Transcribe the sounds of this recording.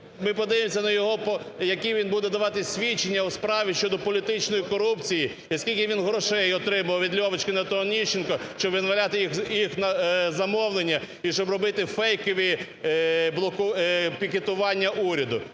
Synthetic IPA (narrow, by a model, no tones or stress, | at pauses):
mɪpɔd̪ɪʋemsʲɐnɐjɔɦɔpɔjɐkiʋʲinbud̪ɛd̪ɐʋɑt̪ɪsʲʋʲit͡ʃːenʲːɐwspɾɑʋʲiʃt͡ʃɔd̪ɔpɔlʲit̪ɪt͡ʃnɔjikɔɾupt͡sʲiji | iɐskʲilʲkʲɪʋʲinɦɾɔʃɛjɔt̪ɾɪmɐɐwʋʲid̪lʲɔʋɪt͡ʃkɪnɐt̪ɔnʲiʃt͡ʃːɪnkɔʃt͡ʃɔbʋʲinʋɐlʲat̪ɪjixjixnɐzɐmɔʋlˠenʲːɐ | iʃt͡ʃɔbrɔbɪt̪ɪfɛjkɔʋʲi | blˠɔkʊpʲiket̪ʊʋɑnʲːɐʔuɾʲɐd̪ʊ